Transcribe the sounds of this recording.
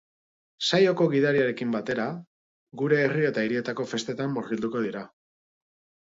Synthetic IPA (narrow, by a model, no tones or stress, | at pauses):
sajo̞ko̞ɣiðaɾiaɾe̞kimbat̪e̞ɾa | ɡuɾe̞ːrie̞t̪aiɾie̞t̪ako̞fe̞st̪e̞t̪amborild̪uko̞ðiɾa